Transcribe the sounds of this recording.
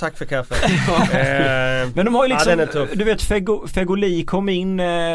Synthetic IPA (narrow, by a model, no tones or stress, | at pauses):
t̪ʰakːfœɾkʰafːə | mɛnd̪ɔmhajʏlɪsɔɛnɛt̪ʰʊd̪ɵveːt̪fɛɡʊfɛɡʊliːkʰɔmːɪnː